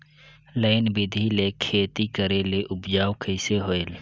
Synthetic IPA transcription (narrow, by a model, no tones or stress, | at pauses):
ləɪnbɪd̪ʱilekʰeːt̪ikəɾeleʔʊbd͡ʒaːwkʰəɪseɦoːel